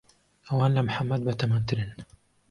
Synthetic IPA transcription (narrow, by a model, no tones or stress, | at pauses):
ʔawaːnlamħamːad̪̚bat̪amant̪ɨɾɨn